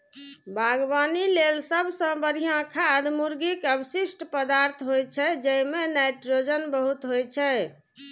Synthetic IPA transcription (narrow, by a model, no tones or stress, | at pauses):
bʱaɡbanilelsəbsə̃bəɾijãkʰad̪muɾɡikəbsisʈpəd̪aɾt̪ʰɦojt͡ʃʰɛd͡ʒəjmenajʈɾod͡ʒənbəɦut̪ɦojt͡ʃʰɛ